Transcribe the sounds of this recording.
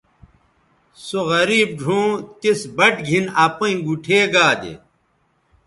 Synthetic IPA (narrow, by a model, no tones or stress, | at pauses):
soɣɐɾiːb̚ɖʱõːt̪isbɐʈɡʱinaːpɐĩɡuʈʰeːɡaːd̪ḛ